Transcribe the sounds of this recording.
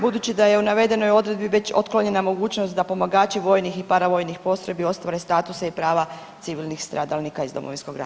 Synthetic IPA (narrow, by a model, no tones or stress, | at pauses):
bud̪ut͡ɕid̪aje̞unaʋe̞d̪e̞no̞jo̞d̪ɾe̞d̪biʋe̞t͡ɕo̞̰t̪klˠoɲe̞namo̞ɡuːt͡ɕnost̪̚d̪apo̞maɡaːt͡ɕiʋo̞jnixipaɾaʋo̞jnixpo̞st̪ɾe̞bio̞st̪ʋaɾe̞st̪aːt̪useipɾaːʋa | t̪siʋilnixst̪ɾaːd̪alnikaizd̪o̞mo̞ʋinsko̞ɡɾa̰